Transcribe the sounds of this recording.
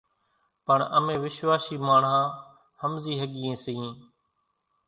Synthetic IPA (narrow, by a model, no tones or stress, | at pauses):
pəɳə̰mẽːʋɪʃʋaːʃiːmaːɳɦãː | həmziːɦəɠiːẽːsəĩː